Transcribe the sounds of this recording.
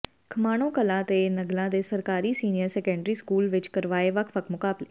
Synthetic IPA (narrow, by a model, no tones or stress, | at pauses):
kʰəmaːñõːkəlãːt̪eːnəɡlãːd̪eːsəɾkaːɾiːsiːnɪjəɾsɛːkɛ̃ːɳɖɾiːskuːlʋɪt͡ʃkəɾʋaːeːʋəkʰʋəkʰmʊkaːbleː